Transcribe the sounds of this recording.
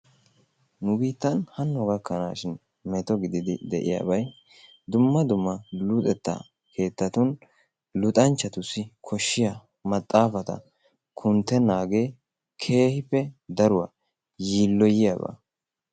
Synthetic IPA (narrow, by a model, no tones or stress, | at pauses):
nʊbiːt̪ːɐnhɐnːɔɡɐkʰːɐnaːʃɪn | mɛt̪ɔɡɪd̪ɪd̪ɪd̪ɛʔɪja̰ːbɐj | d̪ʊmːɐd̪ʊmːɐlʊt̪ʼɛt̪ːa̰ | kʰe̞ːt̪ːɐt̪ʊn | lʊt̪ʼɐnt͡ʃːɐt̪ʊsːɪkʰɔʃːɪjɐ | mɐt̪ʼːaːfɐt̪ɐ̰ | kʰʊnt̪ːɛnaːɡeː | kʰe̞ːhɪpːɛd̪ɐɾʊwɐ | jiːlːɔjɪjabɐ̰